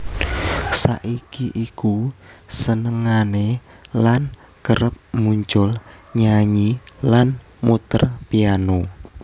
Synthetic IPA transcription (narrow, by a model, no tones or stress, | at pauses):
sa̰ʔikiʔikusənəŋane | lan | ɡ̥əɾəp̚muɲt͡ʃʊlɲaɲilan | mut̪ə̰rpiano